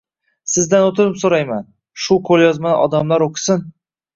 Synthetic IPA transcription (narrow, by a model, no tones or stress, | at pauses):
sɪzd̪anot̪ʰɪɾɪpsoɾajman | ʃʊqʰolˠjɒzmana̰ʔɒd̪amlaɾoqʰɪ̥sɪn